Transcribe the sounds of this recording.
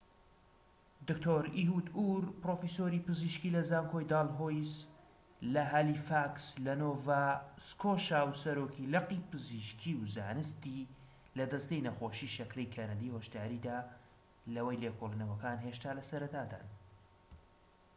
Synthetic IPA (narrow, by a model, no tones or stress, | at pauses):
d̪ɨkt̪ʰoːɾiɦud̪uɾpɾoːfisoɾipɨziʃkilɐzaːŋkʰojd̪aːlˠɦojs | lɐɦalifakslɐnoːvaskʰoːʃawsɐɾoːkʰilɐqipɨziʃkʰiwzaːnɨst̪i | lɐd̪ɐst̪ejnɐxoːʃiʃɐkɾejkʰɐnɐd̪ihoʃt̪aːɾid̪aː | lɐwɐjlekʰolˠinɐwɐkaːnɦeʃt̪aːlɐsɐɾɐt̪aːd̪a̰ːn